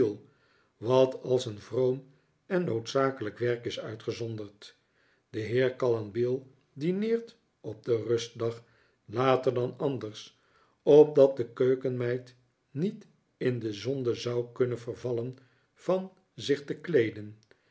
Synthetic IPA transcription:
lˠ | ʋɑtɑlˠsənvrowm | ɛnːowtsaːkələkʋɛɹkɪsœɥtχəzɔndəɹt | d̥əɦɪːɹkɑlɑnbɪlˠ | dinɪːɹt | ɔb̚dərɵst̚dɑχ | laːtəɹdɑnɑndəɹs | ɔp̚dɑt̚dəkøɥkənmɛjt | nit | ɪndəzɔndəzɑwkɵnənvəɹvɑlən | v̥ɑn | zɪχtəklejdən

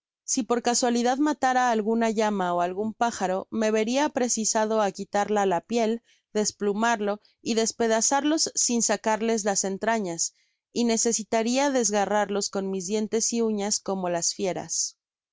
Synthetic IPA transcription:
sipo̞ɾkaswaliðaðmat̪aɾaːlɣunaʝamao̞alɣumpaxaɾo̞me̞βe̞ɾiapɾe̞sisað̞o̞akit̪aɾlalapje̞l | d̪e̞splumaɾlo̞ | iðe̞spe̞ðasaɾlo̞sːinsakaɾle̞zlase̞nt̪ɾaɲas | ine̞se̞sit̪aɾiaðe̞zɣaraɾlo̞sko̞nmizðje̞nt̪e̞siuɲasko̞mo̞lasfje̞ɾa̰s

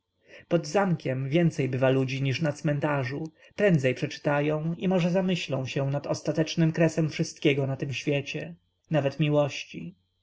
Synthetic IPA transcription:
pɔd̪zamkʲɛmvʲjɛnt̪sɛjbɘvalud͡ʑiɲiʂnat̪smɛnt̪aʐu | pɾɛnd̪zɛjpʂɛt͡ʂɘ̥t̪ajɔ̃w̃imɔʐɛzamɘɕlɔ̰̃w̃ɕɛw̃nat̪ɔst̪at̪ɛt͡ʂnɘmkɾɛsɛmfʂɘst̪̚kʲɛɡɔnat̪ɘmɕfʲjet͡ɕɛ | navɛt̪mʲiwɔɕt͡ɕḭ

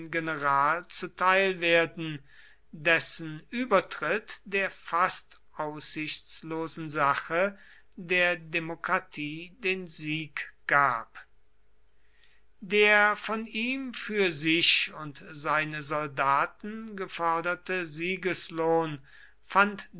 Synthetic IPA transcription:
ɡenəʁaːlt͡sutʰaɪlveːɐdn̩ | dɛsn̩ʔyːbɐtʁ̥ɪtd̥eːɐfastʔaʊsz̥ɪçt͡sloːzn̩zaχə | deːɐdemokʁ̥atʰiːdeːnziːkɡ̥aːp | deːɐfɔniːmfyːɐzɪʃʊntzaɪnəzɔldaːtn̩ɡəfɔɐdɐtəziːɡəsloːn | fant

